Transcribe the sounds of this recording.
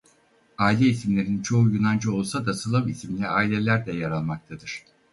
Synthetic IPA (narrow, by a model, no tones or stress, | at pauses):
aːilʲɛisimlʲe̞ɾint͡ʃʰo̞ujynand͡ʒɯo̞lˠsad̪asɯlˠɯmisimlʲiaːilʲelʲæɾd̪ʲɛjaɾalˠmak̚t̪ʰad̪ɯɾ̥